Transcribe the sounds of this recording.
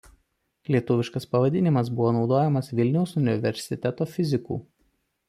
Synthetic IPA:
lʲiɛt̪ʊʋʲɪʃkɐspɐʋɐd̪ʲɪnʲɪmɐsbʊʋoːnɒʊd̪oːjɛmɐsʋʲɪlʲnʲɛʊsʊnʲɪʋʲɛɾʲsʲɪt̪ʲɛt̪oːfʲɪzʲɪkṵː

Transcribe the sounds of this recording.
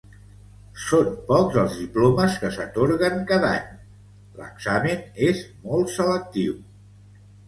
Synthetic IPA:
sonpɔkzəlˠzðiploməskəsət̪oɾɣəŋkaða̰ɲ | lə̰ɡzaminezmɔlˠt̪sələk̚t̪iw

